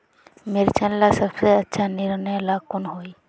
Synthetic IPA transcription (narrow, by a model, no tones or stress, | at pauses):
meɾt͡ʃʰanlasəbseətːʃʰaniɾnəjlakonɦoj